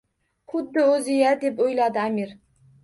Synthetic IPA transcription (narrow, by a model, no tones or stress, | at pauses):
χʊd̪ːɨøzɪjɛd̪epojlˠɑd̪ɨæmiɾ